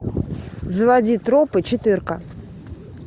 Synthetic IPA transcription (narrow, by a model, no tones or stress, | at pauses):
zəvɐdʲit̪ɾopɨt͡ɕɪt̪ɨrkə